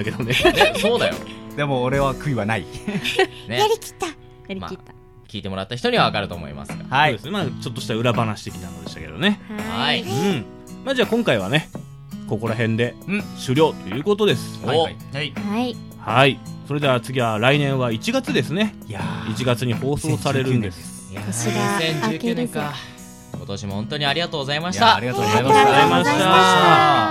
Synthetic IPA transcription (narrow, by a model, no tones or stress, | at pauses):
ake̞d̪onesoːd̪ajo̰d̪e̞moːɾe̞βakɯ̟iβanai | nejaɾʲikʲi̥t̪ːa | ma̰a | kʲiːt̪e̞mo̞ɾat̪ːaçi̥t̪o̞ɲ̟iβaβakaɾɯ̟t̪o̞̰ːmo̰ḭma̰sɨɡa̰d̪esɨnemaːt͡ɕo̞t̪ːo̞ɕi̥t̪aɯ̟ɾabanaɕi̥t̪e̞kʲinanod̪e̞ɕt̪ake̞̰d̪o̞̰ne̞aiɯ̃ɴ | maːd͡ʑaːkõŋkaiβane̞ | ko̞ko̞ɾaɦẽ̞nd̪e̞ɕɨɾʲo̞ːt̪o̞jɯ̟ːko̞t̪od̪e̞sɨ̥ | hai | haiso̞ɾe̞d̪e̞at͡sɨɡʲiβaɾainẽ̞ɰ̃βait͡ɕiɡat͡sɨd̪e̞sɨne̞ | it͡ɕiɡat͡sɨɲ̟iho̞ːsoːsaɾe̞ɾɯ̟̃nd̪es | sẽɲɨkːneka | kot̪o̞ɕimo̞hõ̞nt̪o̞ɲ̟iaɾʲiɡat̪oːɡzaimaɕit̪aɾiat̪oaaimaɕi̥t̪a